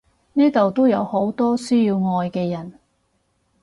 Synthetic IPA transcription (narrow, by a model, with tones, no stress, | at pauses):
niː˥t̪o˨wt̪o˥wjɐ˨˧who˨˥wt̪ɔː˥syː˥ji˧wŋɔː˧jkɛː˧jɐ˨˩n